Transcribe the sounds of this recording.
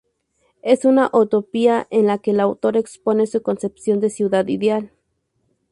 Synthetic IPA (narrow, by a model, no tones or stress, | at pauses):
esunaʔut̪opiaʔenlakelaːwt̪oɾaeksponesukonsepsjond̪esjuðad̪ḭðeal